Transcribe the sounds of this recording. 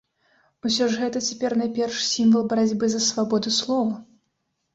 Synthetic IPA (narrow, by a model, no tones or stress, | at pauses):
usʲɔʐɣɛt̪ɐt͡sʲɛpʲɛrnajpʲɛrʂsʲimvɐlˠbɐɾad͡zʲbɨzɐsvabɔd̪ɨslˠɔvɐ